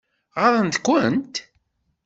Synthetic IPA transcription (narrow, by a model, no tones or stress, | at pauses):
ʁɑɾˤənt̪kʷənt̪